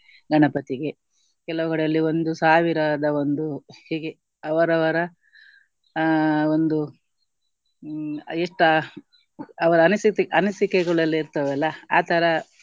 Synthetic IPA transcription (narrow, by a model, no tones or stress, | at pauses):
ɡɐɳɐpɐt̪iɡe | kɛlɐʋuɡɐɽɐlːio̞nd̪usaːʋiɾad̪ɐo̞nd̪uhiːɡe | ɐʋɐɾɐʋɐɾɐ | o̞nd̪u | eʂʈɐ | ɐʋɐɾɐɐnɐsiɐnɐsikɛɡɐɭɐlːiɾt̪ɐʋɛlːɐa̰ːt̪ʰɐɾɐ